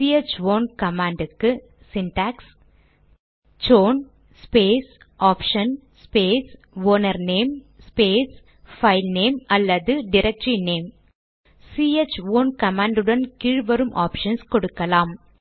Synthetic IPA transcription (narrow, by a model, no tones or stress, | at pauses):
siet͡ʃʋoːnkɐmaːɳɖɯkːɯ | sɪnʈaːks | d͡ʒoːn | speːs | ʔaːpʂɐn | speːs | ʋoːnɐɾneːm | speːs | fɐɪlneːmɐlːɐðɯɖɪɾɐk̚ʈɾineːm | siːet͡ʃʋoːnkɐmaːɳɖɯɽɐnkɪɻʋɐɾɯmʔa̰ːpʂɐnskɔɽɯkːɐlaːm